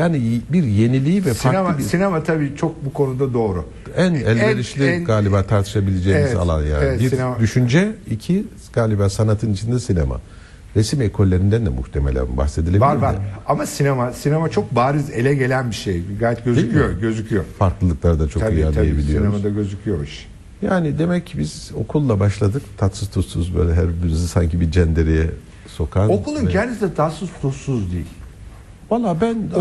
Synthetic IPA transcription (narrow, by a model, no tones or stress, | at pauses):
jaːnibiɾje̞nilʲiːvɛsfanemassinemat̪ʰabiːt͡ʃʰo̞k̚bukʰo̞nud̪ad̪o̞ːɾʊ | ænælʲbeɾiʃlʲiɡaːlʲibaːt̪ʰaɾt̪ʰɯ̥ʃabilʲed͡ʒejiza̰lˠa̰nja̰ːnvɛid̪yʃynd͡ʒɛicʰi | ɡ̥aːlʲibaːsanat̪ʰɯnit͡ʃʰind̪ɛsinḛma̰ | ɾesimekʰo̞lʲːe̞ɾind̪ænd̪ɛmṵht̪ʰe̞melʲæ̰nba̰xse̞d̪ilʲeiaɾvaɾamasinemasinemat͡ʃʰok̚baːɾɯze̞lʲɛɟe̞lʲænbiʃejɡaːjɛt̪ɟøzykʰyjoɾɟø̞zycʰyjoɾfaɾklˠɯlˠɯklˠaɾd̪at͡ʃʰo̞ijaijebilijionemad̪aɟø̞zycʰyjoɾiʃi̥ | jaːnid̪e̞mɛcʰːibiz̥o̞̰kʰulˠːabaʃlˠad̪ɯkt̪ʰat̪sust̪ʰusuzbø̰ːlʲɛɦæɾbynzisaɲcʰibid͡ʒɛnd̪eɾejɛ | so̞kʰanokulˠuncʰɛnd̪isd̪ɛt̪ʰasust̪ʰusuzd̪ijilʲ | valˠːaːbæn